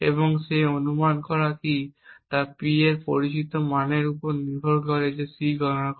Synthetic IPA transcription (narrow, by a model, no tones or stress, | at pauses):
ḛβoŋʃeonumankɔɾakit̪aɾpieɾpoɾit͡ɕit̪omaneɾupoɾniɾbʱoɾkɔɾed͡ʑesiɡʱɔnak